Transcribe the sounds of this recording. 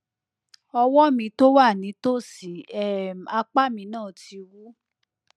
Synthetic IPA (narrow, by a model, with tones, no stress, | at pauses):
ɔ˧wɔ˦mĩ˧˦to˦wa˦˨nĩ˨˦to˦˨si˨˦ɛ˦˨m˨a˧k͡pa˦mĩ˧˦nãː˦˨tʰi˧wu˦